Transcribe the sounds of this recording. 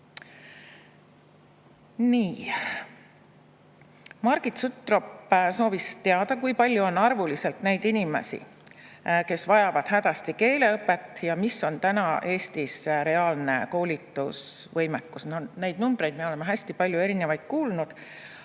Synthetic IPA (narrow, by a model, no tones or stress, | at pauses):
niː | mɑrɡ̥it̪sut̪ːˑropːso̞ːvist̪e̞ɑd̪ɑkujpɑlʲjuo̞nːɑrvulise̞lt̪ne̞jd̪̥inimḛsḭ | ke̞svɑjɑvɑd̪̥ɦæd̪̥ɑst̪ike̞ːle̞ɤpːˑet̪ːˑjɑmiso̞nt̪ænɑʔe̞ːst̪isɾe̞ɑːlnḛko̞ːlʲit̪ːˑusvɤjmekːˑusnonejd̪̥numb̥ɾe̞jd̪mieo̞le̞meɦæsʲt̪ipɑlʲjue̞ɾinevɑjd̪̥̚kuːlnud̪̥